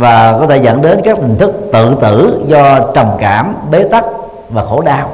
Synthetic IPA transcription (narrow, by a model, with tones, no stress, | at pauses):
vaː˨˩kɔ˨˦t̪ʰe˧˩zə̰˧˨nɗe˨˦nkaː˦˥k̚t̪ï˨˩ŋ̟t̪ʰɨ˦˥k̚t̪ɨ̰˧˨t̪ɨ̰˧˨zɔ˧t͡ɕə˨˩wŋ͡mkaː˧˩mɓe˨˦t̪a˦˥k̚ | vaː˨˩xo˧˩ɗaː˧w